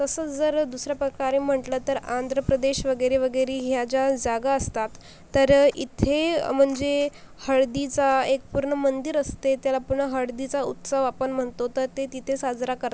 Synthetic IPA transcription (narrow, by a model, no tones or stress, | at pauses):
k̪əsəːt͡sd͡zəɾd̪usɾjapɾəkaɾem̤əʈləːt̪əɾand̪ʱɾəpɾəd̪eɕʋəɡəjɾeʋəɡəjɾeɦjad͡ʑad͡zaɡaəst̪at̪ː | əɾit̪ʰem̤əɳd͡ze | həɭd̪it͡saek̚puɾɳəmənd̪iɾəst̪et̪jalapuɾɳəɦəɽd̪it͡saut̪səʋapəɳm̤əɳt̪ot̪əɾt̪et̪it̪ʰesad͡zɾakəɾ